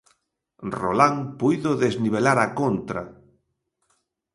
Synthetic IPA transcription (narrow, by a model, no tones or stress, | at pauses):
rolaŋpujðʊðezniβ̞elaɾakont̪ɾa̰